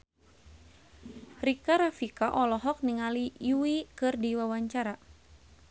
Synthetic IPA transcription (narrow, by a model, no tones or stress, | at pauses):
rikaɾafikaʔɔlɔɦɔk̚niŋalijuikɨrdiwawaɲt͡ʃaɾa